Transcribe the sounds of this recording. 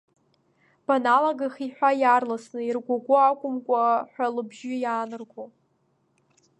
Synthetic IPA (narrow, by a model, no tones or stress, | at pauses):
b̥analaɡaχiħᶣʷajarlasnɨirɡʷaɡʷʊakʷʼʊmkʷʼaħʷᶣalɨbʒɪjaːnɨrɡʷo